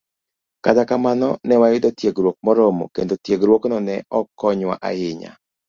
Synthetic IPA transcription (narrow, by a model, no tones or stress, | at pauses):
katakamanɔnɛwaɪd̪ɔtjeɡɾwok̚mɔɾɔmo̰kend̪otjeɡɾwoknɔnɛɔkɔɲwa̰ʔa̰jɪɲa̰